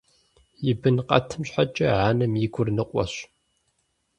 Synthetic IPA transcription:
jɪbɨnqʼɐ̰tʰɨmɕħat͡ʃʼɐʕaːnɨmjɪɡʷʊrnɨqʷʼɔ̰ɕ

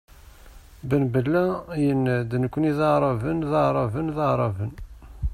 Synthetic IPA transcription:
bənbəlːæjənːd̪nəkʷːniðɑʕɾˤɑvənðɑʕɾˤɑvənðɑʕɾˤɑvən

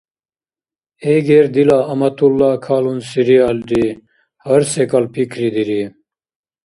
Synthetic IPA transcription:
eɡeɾd̪ilaːɐmɐt̪ulːaːkʰaːlunsiɾiaːld̪i | hɐɾsekɐlpʰikʰɾid̪iɾi

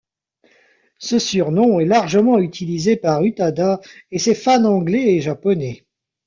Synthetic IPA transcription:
səsyʁnɔ̃ɛlaʁʒəmɑ̃yt̪ʰilizepaʁyt̪ad̪aesɛfanɑ̃ɡlɛeʒapɔnɛ

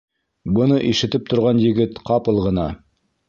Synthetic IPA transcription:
bɤ̆nɤʔiʃɘ̆t̪ɘp̚t̪ŏɾʁɑnjɘ̆ɡɘt̪qɑpɤlˠʁɤ̆nɑ

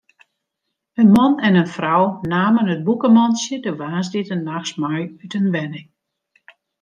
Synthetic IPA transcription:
ənmɔnɛnənfrɔwnaːmənət̚bukəmɔnsjədəʋaːzditənːaxsmɔjytənʋɛnɪŋ

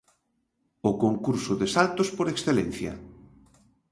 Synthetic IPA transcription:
okoŋkuɾsʊðesalt̪ospoɾeksθelen̟θjɐ̰

